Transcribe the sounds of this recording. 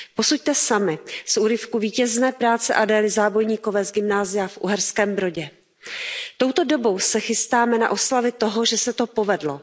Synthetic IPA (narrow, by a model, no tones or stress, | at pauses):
po̞suc̚t̪ɛsamɪsʔuɾɪfkuviːcɛznɛːpɾaːt͡sɛʔadɛːlɪzaːbo̞jɲiːko̞vɛːzɡɪmnaːzɪjafʔṵɦɛɾskɛːmbɾo̞ɟɛ | t̪o̞wt̪o̞do̞bo̞wsɛxɪst̪aːmɛna̰ʔo̞slavɪt̪o̞ɦo̞ʒɛsɛt̪o̞po̞vɛdlo